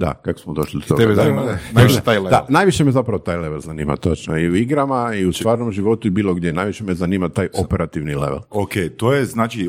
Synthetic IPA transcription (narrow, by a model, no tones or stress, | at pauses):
d̪a̰kakosmod̪o̞ʃlid̪ot̪oɡ̪eɡenat̪ajled̪anajʋiʃemezapɾaʋot̪aːjleʋelzaniːma̰t̪ot͡ʃnoiuiɡɾamaiust̪ʋaːɾnomʒiʋo̞t̪uibiːlˠoɡd̪jenajʋiʃemezaniːmat̪aːjʔopeɾat̪iʋnilḛʋḛlokejt̪ojeznaːt͡ʃi